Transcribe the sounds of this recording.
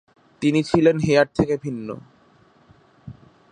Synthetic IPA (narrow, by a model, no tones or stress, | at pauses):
t̪init͡ɕʰilenɦeaɾ̚t̪ʰekebʱinːo̰